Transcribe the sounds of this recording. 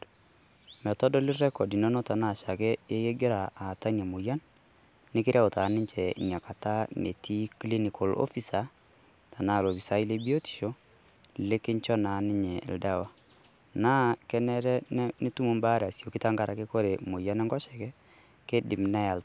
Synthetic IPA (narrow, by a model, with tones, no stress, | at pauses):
mɛ˨tɔ˦dɔ˦li˦rɛ˦kɔ˨di˨no˦nɔ˦ta˨na˦˨ʃa˨kɛ˦je˦je˦ɡe˦ɾa˨a˨ta˦ɲa˨mu˨ja˦n | nɪ˦kɪ˦ɾʔa˦ʊ˨ta˨˦nɪ˦ɲt͡ʃɛ˨ɲa˨ka˨ta˦nḛ˨ti˦kli˦ni˨kɔ˨lo̰˦fi˦sa˨ | ta˨na˦˨lo˨bi˨sa˦i˦le˦bi˦o˦ti̥˨ʃo˦ | le˦kɪ˦ɲt͡ʃɔ˦na˨nɪ˦ɲɛ̰˨lda˦wa˦ | na˦kɛ˦nɛ˦ɾɛ˦n˦ni˦tu˦mu˦mba˦ɾa˨sjo˨ki˦ta˦ŋɡa˨ɾʔa˨ke˦ko˦ɾe˨mu˨ja˦nɛ˦ŋɡɔ˦ʃɛ˨kɛ˦ | ke˦dɪ˨mna˦ja˨lt